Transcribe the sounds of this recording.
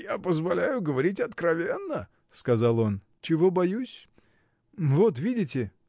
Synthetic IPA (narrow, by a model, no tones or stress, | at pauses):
japəzvɐlʲæjʊɡəvɐɾʲitʲɐt̪kɾɐvʲenːə | skɐzɑlˠo̞n | t͡ɕɪvo̞bɐjusʲ | vo̞t̪vʲidʲɪtʲɪ